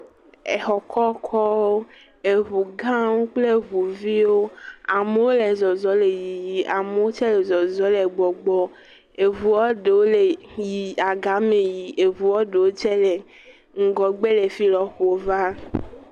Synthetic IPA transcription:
ḛ˨xɔ˨kʰɔ˦kʰɔ˦wo˦ | e˨ɦu˨ɡã˦wu˦k͡ple˦ɦu˨vi˦wo˦a˨me˨wo˦le˨zɔ˨zɔ˦le˨ji˨ji˨a˨me˨˦wo˦t͡ʃɛ˦le˨zɔ˨zɔ˨˦le˨ɡ͡bɔ˨ɡ͡bɔ˦ | e˨vu˨ɔ˦ɖe˨wo˦le˨ji˨a˨ɡa˨˦me˨ji˨ʔe˨vu˨wɔ˦ɖe˨wo˦t͡ʃɛ˦le˨ | ŋ̩˨ɡɔ˨ɡ͡be˦le˨fi˦lɔ˨xo˨va˦

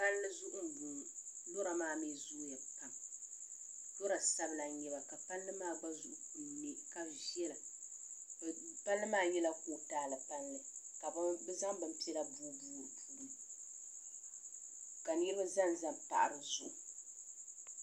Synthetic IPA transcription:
pa˦llɨ˦zu˦ʔʊ˦m˨bu˨do˦ɾa˨maː˦me˦zu˦ʔja˨pa˨m | do˦ɾa˨sa˦bɨ˦la˨ɲɛ˨ba˨ka˨pa˦lːɨ˦maː˦˨ɡ͡ba˦zu˨ʔʊ˦˨ku˨mɛ˦ka˦vi˦ɛ˦la˨ | pa˦lːɨ˦maː˦˨jɛ˦la˦ko˦taː˦lɨ˨pa˦nlɨ˨ | ka˨˦bɨ˦za˦ŋbɨ˨mpi˦ɛ˦la˦buː˦buː˦ɾɨ˨pʰuː˦˨ɾɨ˨m | ka˨ni˦ɾɨ˦ba˦za˦n˨za˦˨mpa̰˨ʔa˨ɾɨ˨zu˨ʔu˨

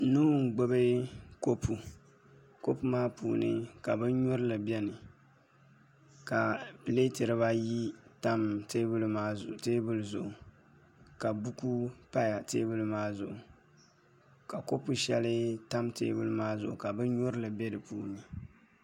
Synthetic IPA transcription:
nuː˦ŋ̩˨ɡ͡bo˦bɨ˦ko˦pʰu˨ | ko˦pu˨maː˦puː˨nɨ˦ka˨bɨ˦ɲʊ˦ɾɨ˦lɨ˨bɛ˦nɨ˨ | ka˨ple˦tɨ˨ɾɨ˨βa˦ji˦ta˦mte˦bɨ˦lma˦˨teː˦bɨ˦lzʊ˨ʔʊ˨ | ka˨bu˦ku˦pa˦ja˨teː˦bɨ˦lɨ˦maː˦zʊ˨ʔʊ˨ | ka˨ko˦pu˨ʃɛ˦lɨ˦ta˦mtḛː˦bɨ˦lɨ˦maː˦zʊ̰˨ʔʊ̰˨ka˨bɨ˦ɲʊ˦ɾɨ˦lɨ˨bɛ˦dɨ˨puː˦nɨ˨

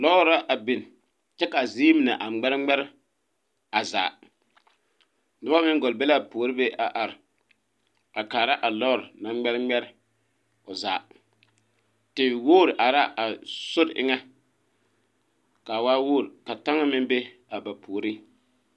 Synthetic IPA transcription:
lɔ˦ɾɾa˦ʔa˨bɪ˨n˨ | t͡ʃɛ˦ka˨zi˦mi˨na˨ʔa˨ŋ͡mɛ˦ɾɪ˦ŋ͡mɛ˦ɾɪ˦ | a˨za̰ː˨ | dɪ˦a˦mɪ˦ŋɡɔ˨lbɛ˦la˦˨poː˨ɾɨ˦be˦ʔa˨ʔa˨ɾɪ˨ | a˨kaː˨ɾa˦ʔa˨lɔ˦˨ɾna˨˦ŋ͡mɛ˦ɾŋ͡mɛ˦ɾɪ˦ | ʊ˨za̰˨ | tɪ˨woː˦˨ɾʔa˨ɾa˦ʔa˨sʊ˦dʔɪ̰˦ŋa˦ | ka˨waː˦woː˦˨ɾka˨ta˦ŋa˦mɪ˦nbe˦ | a˨ba˨pʰoː˨ɾi˦

